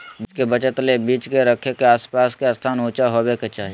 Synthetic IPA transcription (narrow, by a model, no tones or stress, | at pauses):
bkebət͡ʃət̪lebiːt͡ʃkeɾəkʰekeaːspaːskeast̪ʰaːnũːt͡ʃaɦobeket͡ʃaːɦi